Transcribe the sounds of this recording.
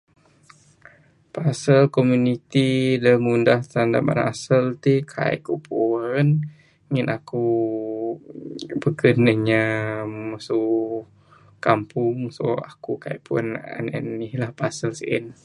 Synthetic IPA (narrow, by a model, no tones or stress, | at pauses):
pasəlkɔmjunit̪idəmundaht̪anda̰ma̰na̰səlt̪ikʰa̰ḭʔkupʰuɾən | ŋinaku | bəkənəɲaməsu | kampʊŋso̰a̰kukaḭʔpʰuna̰nə̰nilahpasəlsʔḭn